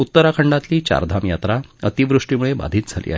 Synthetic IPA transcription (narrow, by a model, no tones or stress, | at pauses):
ut̪ːəɾakʰəɳɖat̪liːt͡ɕa̰ɾd̪ʱamjat̪ɾaət̪iʋɾuʂʈimuɭeba̰d̪ʱiːt̪̚d͡zʱalḭːa̰ɦ